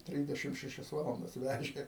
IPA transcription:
ˈtʲrʲiːzʲdʲɛʃʲɪm ʃʲɛˈʃʲɛs ˈʋɑːlˠɐndɐs ˈʋʲæʒʲeː

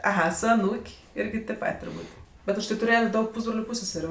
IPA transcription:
ɐˈɣɐ sʊ ɐˈnuːkʲ ˈɪrʲɡʲɪ tʲeːp ˈpɐtʲ tʊrˈbuːtʲ ˈbʲɛt ʊʃˈtɐɪ tʊˈrʲeːjɛtʲ ˈdɐʊk ˈpuːzbroːlʲʊ ˈpuːsʲsʲɛsʲɛrʲʊ

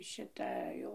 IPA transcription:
ʃʲɪˈtɐ ˈjɛʊ

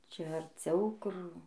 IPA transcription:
ˈt͡ʃʲɛ ɐrʲˈt͡sʲɛʊ ˈkʊr

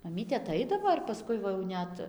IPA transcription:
mɐˈmʲiːtʲeː ɐˈtɐɪdɐʋoː ɪr pɐˈskʊɪ ʋɐ jɛʊ ˈnʲɛt

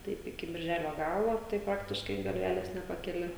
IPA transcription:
ˈtɐɪp ɪkʲɪ bʲɪrʲˈʒʲæːlʲoː ˈɡɑːlˠoː tɐɪ ˈprɑːktʲɪʃkɐɪ ɡɐlʲˈʋʲæːlʲeːs nʲɛpɐkʲɛˈlʲɪ

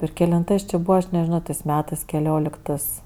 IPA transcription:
ɪr kʲɛlʲɪnˈtɜs t͡ʃʲɪ ˈbuːʋɐ ɐʃ nʲɛʒʲɪˈnoː tɜs ˈmʲæːtɜs kʲɛlʲoːˈlʲɪktɜs

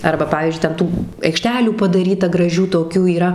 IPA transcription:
ˈɐrbɐ ˈpɑːʋʲiːzʲd͡ʒʲʊɪ tʲɛn ˈtuː ɐɪkˈʃʲtʲæːlʲuː pɐdɐˈrʲiːtɐ ɡrɐˈʒʲuː toːˈkʲuː iːˈrɐ

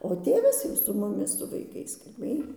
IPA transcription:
oː ˈtʲeːʋɐs jɛʊ sʊ mʊˈmʲɪs sʊ ʋɐɪˈkɐɪs kɐlʲˈbʲeːj

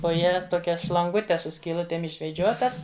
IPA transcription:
poː ˈjɛs toːˈkʲɛs ʃlˠɐŋˈɡʊtʲɛs sʊ sʲkʲiːˈlˠʊtʲeːm ɪʃʲʋʲɛˈd͡ʒʲoːtɐs

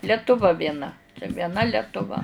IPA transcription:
lʲɛtʊˈʋɐ ʋʲiɛˈnɐ ʋʲiɛˈnɐ lʲɛtʊˈʋɐ

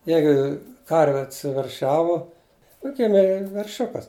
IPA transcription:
ˈjɛɪɡʊ ˈkɐrʲʋʲɪ ɐtʲsʲɪʋʲɛrʲˈʃʲæːʋʊ jʊk ˈɡʲɪmʲeː ʋʲɛrʲˈʃʲʊkɐs

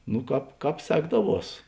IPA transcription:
nʊ ˈkɑːp ˈkɑːp ˈsʲæːɡdɐˌʋuɔs

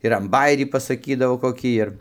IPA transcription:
ɪr ɐn bɐˈjæːrʲiː pɐsɐˈkʲiːdɐʋoː koːˈkʲiː ɪr

